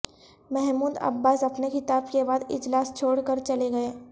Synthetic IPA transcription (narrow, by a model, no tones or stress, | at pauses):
mɛɦmuːd̪ɐ̰bːaːsɐpnexɪt̪aːbkebaːd̪ɪ̰d͡ʒlaːst͡ʃʰoːɽkəɾt͡ʃɐleɡɐeː